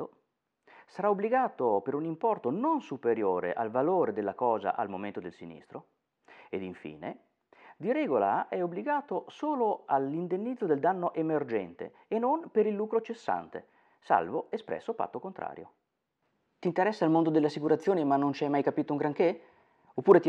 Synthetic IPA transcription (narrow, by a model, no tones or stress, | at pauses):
o | saɾaobliɡaːt̪opeɾunimpɔrt̪ononsupeɾjoːɾḛʔalvaloːɾed̪elːakɔːza̰ʔalmoment̪od̪elsinḭst̪ɾo | ed̪iɱfḭːne | d̪iɾɛːɡola̰ʔɛobːliɡaːt̪osoːloalind̪enːid̪zːod̪eld̪anːoʔemerd͡ʒɛ̰nt̪ḛːnonpeɾilːuːkɾot͡ʃesːa̰nt̪ḛ | sa̰lvoespɾɛ̰sːofa̰t̪ːokont̪ɾa̰ːɾjo̰ | t̪int̪eɾɛsːaːlmond̪od̪elːeasːikuɾat̪sːjoːnimanːont͡ʃiajmajkapiːt̪ouŋɡɾaŋke | opːuːɾet̪